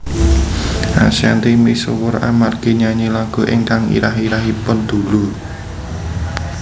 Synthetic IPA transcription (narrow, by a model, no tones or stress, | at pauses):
ʔa̰siant̪imisowʊra̰markeɲaɲilaɡ̥o̤ʔɪ̰ŋkaŋḭɾaɦiɾaɦipʊnd̪̥ṳlu